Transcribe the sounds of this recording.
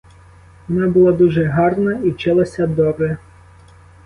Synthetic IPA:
ʋɔnɑbʊlˠɑd̪uʒɛɦɑrnɐiwt͡ʃɪlˠɐsʲɐd̪ɔbɛ

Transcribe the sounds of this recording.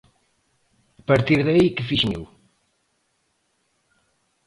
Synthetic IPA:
pɐɾt̪iɾðɐikɨfiʃmḛw

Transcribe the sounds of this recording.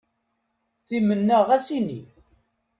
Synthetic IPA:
θimənːəʁæsinḭ

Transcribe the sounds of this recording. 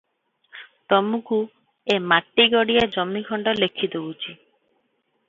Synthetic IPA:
t̪ɔmuku | emaʈːiɡɔɽijad͡ʒɔmːikʰɔɳɖɔlekʰːit̪ɔɦut͡ʃʰi

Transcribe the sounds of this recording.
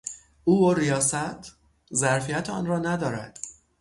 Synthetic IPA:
ʔuːoɾijɒːsæt̪ʰ | zæɾfijæt̪ʰɒ̰nrɒːnæd̪ɒːɾæd̪̥

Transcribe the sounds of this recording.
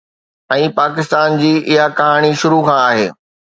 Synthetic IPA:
ɛ̃ːpaːkɪst̪aːnd͡ʑiːʔɪɦakɐɦaːɽ̃iʃʊɾukʰãaːɦḛː

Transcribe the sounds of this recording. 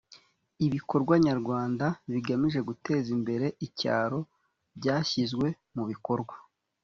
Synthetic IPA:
iβiko̞ɾɡwaɲaɾɡwaːndaβiɡamiʒe̞ɡute̞ːzimbe̞ɾe̞ʔica̰ːɾo̞ | bɟaːçizɡwe̞ | muβiko̞ɾɡwa

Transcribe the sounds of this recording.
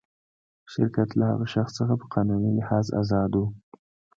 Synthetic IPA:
ʃɪɾkat̪laha̰ɣaʃaxssəxapə̥qʰɑnunilɪhɑza̰zɑd̪wu

